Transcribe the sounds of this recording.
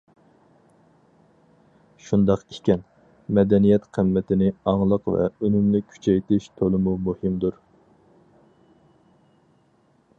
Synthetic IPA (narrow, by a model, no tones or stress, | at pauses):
ʃund̪ɑqikʲɛn | mɛd̪ɛnijɛt̪qʰəmːɛt̪ʰɪnɪɑŋlˠəqvɛ̰ønymlɪkʲʰy̥t͡ʃʰɛjt̪ɪʃt̪ʰolˠɨmumuhɪmd̪uɾ